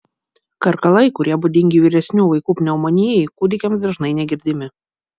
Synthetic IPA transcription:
kɐɾkɐlˠɐɪkʊɾʲiɛbʊd̪ʲɪŋʲɡʲɪʋʲiːɾʲɛsʲnʲuːʋɐɪkuːpʲnʲɛʊmonʲiɛjɛɪkuːd̪ʲɪkʲɛmsd̪ɾɐʒnɐɪnʲɛɡʲɪɾʲd̪ʲɪmʲɪ

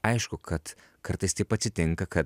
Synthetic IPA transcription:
ajʃkokʰɐt̪ | kʰɐɾt̪ɐsʲt̪ipɐt͡sit̪eŋkɐkʰɐt̪̚

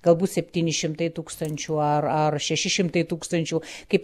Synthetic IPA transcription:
ɡ̥ɐlˠbuːt̪sʲɛpʲt̪ʲiːnʲɪʃʲɪmt̪ɐɪt̪uːkst̪ɐnʲt͡ʃʲuːɐrɐrʃʲɛʃʲɪʃʲɪmt̪ɐɪt̪uːkst̪ɐnʲt͡ʃʲukɐɪp

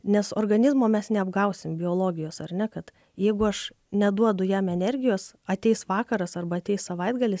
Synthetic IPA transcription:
nʲɛsoːrɡɐnʲɪzmoːmʲɛsnʲɛɐbɡɐʊsʲɪmbʲɪoːlˠoːɡʲɪjoːsɐrʲnʲɛkɐt̪ | jɛɪɡʊɐʃ | nʲɛd̪uɔd̪ʊjæːmɛnʲɛɾʲɡʲɪjoːsɐt̪ʲɛɪsʋɑːkɐɾɐsɐrbɐːtʲɛɪssɐʋɐɪd̪ɡɐlʲɪs

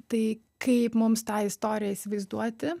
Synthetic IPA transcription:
t̪ɐɪ | kʰɐɪpmʊmst̪ɑːɪst̪oːɾʲɪjæiːsʲɪʋɐɪzd̪uɔt̪ʲɪ

